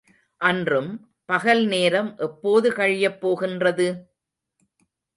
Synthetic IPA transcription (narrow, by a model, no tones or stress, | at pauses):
ʔɐndrɯm | pɐɣɐlneːɾɐmʔɛpːoːðɯkɐɻɪjɐpːoːɣɪndrɐðɯ